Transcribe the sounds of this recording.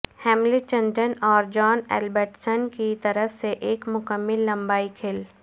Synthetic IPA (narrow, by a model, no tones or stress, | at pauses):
hɛːmlit͡ʃə̃nʈənɔːɾd͡ʒɔːnɛ̰ːlbəɾʈsənkit̪ɐɾəfseʔeːkmʊkəmːɪlːɐ̃mbaːikʰɪl